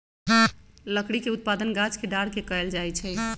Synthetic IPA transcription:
ləkɽikeut̪̚pad̪ənɡat͡ʃkeɖaɽkekəɛld͡ʒajt͡ʃʰɛ

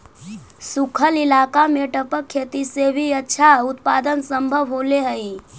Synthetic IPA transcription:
sukʰəlilakameʈəpəkʰːet̪isebʱiətːʃʰaut̪pad̪ənsəmbʱəbɦoleɦəi

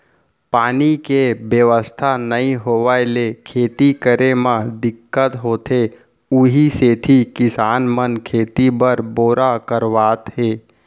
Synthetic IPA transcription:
paːnikebjəʋəst̪ʰanəĩɦoːʋaelekʰeːt̪ikəɾemãd̪ɪkːət̪ɦoːt̪ʰe | ʊɦiset̪ʰikɪsaːnmənkʰeːt̪ibəɾboːɾakəɾʋaːt̪ɦeː

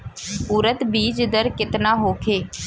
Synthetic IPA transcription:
puːɾət̪biːd͡ʒɪd̪əɾkɪt̪naːɦoːkʰeː

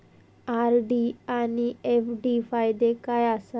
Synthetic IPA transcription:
aɾɖianiefɖifʰajd̪ekajasa

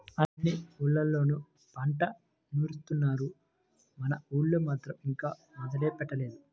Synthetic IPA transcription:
ɐːiuːɭːɐlːo̞ːnu | pɐɳʈɐ | nuːɾust̪unːaːɾu | mɐnɐuːɭːumaːt̪ɾɐmiŋkaːmɔd̪ɐlɛːpɛʈːɐle̞ːd̪u

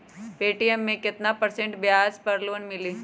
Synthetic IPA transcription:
peːʈijemːẽkɪt̪napɐɾsẽɳʈbjaːspɐɾluʋənmɪliː

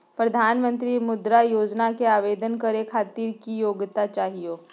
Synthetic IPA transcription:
pɾəd̪ʱaːnmənt̪ɾimʊd̪ɾajoːd͡ʒnakeaʋed̪ənkəɾekʰaːt̪iːɾkijoːɡt̪at͡ʃaːɦijo

